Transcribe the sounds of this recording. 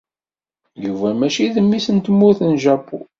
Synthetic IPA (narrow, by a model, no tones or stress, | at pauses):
juvæmæʃiðəmːisənt̪mːʊɾθənʒæpːṵ